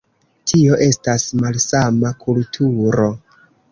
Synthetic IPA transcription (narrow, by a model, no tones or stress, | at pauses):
tʰio̞ʔe̞stasmalsamakʰultʰuɾo̞